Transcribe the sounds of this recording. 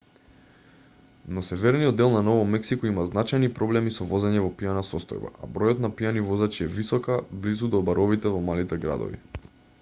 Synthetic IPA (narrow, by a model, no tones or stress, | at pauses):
nɔsɛvɛɾnijɔd̪ːɛlˠnanɔvɔmɛksikɔimaznat͡ʃajnipɾɔblɛmisɔvɔzɛɲɛvɔpijanasɔst̪ɔ̰jba̰a̰bɾɔjɔt̪napijanivɔzat͡ʃiɛvisɔkablizud̪ɔbaɾɔvit̪ɛvɔmalit̪ɛɡɾa̰d̪ɔ̰vḭ